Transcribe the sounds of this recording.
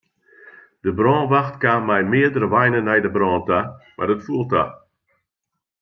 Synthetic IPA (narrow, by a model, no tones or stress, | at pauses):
d̥əbrɔːnʋaxtkaːmɛjmɪədəɾəʋajnənɛjdəbrɔːntamʔa̰rdətfuəlˠta̰